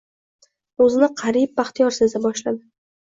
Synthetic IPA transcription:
ɵzɪnɪqʰɑɾib̚baχt̪ʰijɒɾsɪzd̪abɒʃlad̪ɪ

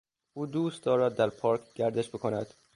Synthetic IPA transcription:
uːd̪uːst̪̚d̪ɒːɾæd̪ːæɾpʰɒːɾkʰɡæɾd̪eʃbekʰonæ̰d̪̥

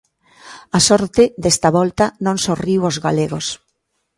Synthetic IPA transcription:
asɔɾt̪ɪðest̪ɐβɔlt̪ɐnõŋsoriwozɣaleɣos

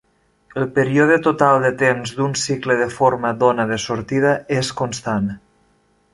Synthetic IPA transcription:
əlˠpəɾioðət̪ot̪alˠd̪ət̪emzd̪unsikləðəfoɾməðonəðəsoɾt̪iðəeskonst̪an

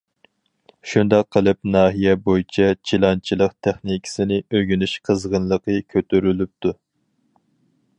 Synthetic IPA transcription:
ʃund̪ɑqʰːəlˠɨp̚nɑːɦijɛbojit͡ʃʰɛt͡ʃʰilˠɑnt͡ʃʰilˠəqt̪ʰæχnikʲʰi̥sɪnɪøɡʲynyʃqʰəzʁənlˠəqʰəkʲʰøt̪yɾylyp̚t̪ʰu

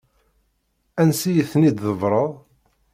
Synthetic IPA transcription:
ænsijəθnid̪ðəvɾˤəðˤ

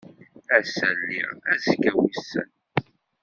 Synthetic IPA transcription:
æsælːḭʁæzkːæwisə̰n

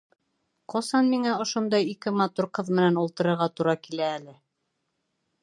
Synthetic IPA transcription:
qʰɑsɑnmiŋæŏʃond̪ɑjikɘmɑt̪uɾqɤðmɘ̆nænulˠt̪ɤ̆ɾɤ̆ɾʁɑt̪uɾɑkilæːlɘ

